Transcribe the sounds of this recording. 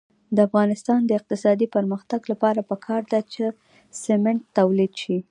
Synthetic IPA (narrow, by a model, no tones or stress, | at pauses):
d̪əafɣɑnɪst̪ɑnd̪əɪq̚t̪ɪsɑd̪ipəɾməxt̪aɡlapɑɾapəkʰɑɾd̪at͡ʃe | sɪmɪɳʈt̪awlid̪ʃi